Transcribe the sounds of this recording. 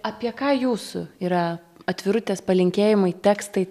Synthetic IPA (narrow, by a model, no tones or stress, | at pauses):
ɑpʲiɛkɑːjuːsʊiːɾɐ | ɐt̪ʲʋʲɪɾʊt̪ʲeːspɐlʲɪŋʲkʲeːjɪmɐɪt̪ʲæːkst̪ɐɪ